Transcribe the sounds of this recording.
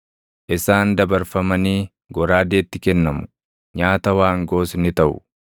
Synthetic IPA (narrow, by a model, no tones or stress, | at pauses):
ʔɪsaːnd̪ɐbɐɾfɐmɐniː | ɡɔɾaːd̪e̞ːt̪ːɪkɛnːɐmʊ̥ | ɲaːt̪ɐwaːŋɡoːsnɪt̪ɐʔʊ̰